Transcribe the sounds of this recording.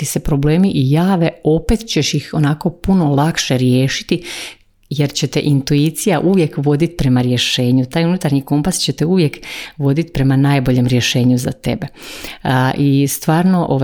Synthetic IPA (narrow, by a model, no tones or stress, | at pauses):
ise̞pɾo̞ble̞ːmiʔijaːʋe̞o̞pe̞t̪t͡ɕe̞ʃjixo̞nako̞puno̞lˠakʃe̞ɾjeːʃi̥t̪i | je̞ɾt͡ɕe̞t̪ḛʔint̪uit̪sijaʔuʋje̞kʋo̞d̪it̪i̥pɾe̞maɾje̞ʃe̞ːɲut̪aːjunut̪aɾɲiko̞mpast͡ɕe̞t̪euʋje̞kʋo̞d̪it̪i̥pɾe̞manaːjbo̞ʎe̞mɾje̞ʃe̞ːɲuzat̪e̞be̞ | ʔist̪ʋaːɾno̞ʔo